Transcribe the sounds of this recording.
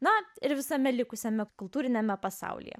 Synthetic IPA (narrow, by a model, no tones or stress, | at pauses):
nɐɪɾʋʲɪsɐmʲɛlʲɪkʊsʲɛmʲɛkʊlˠt̪uːɾʲɪnʲɛmʲɛpɐsɑ̰ʊlʲḭjɛ̰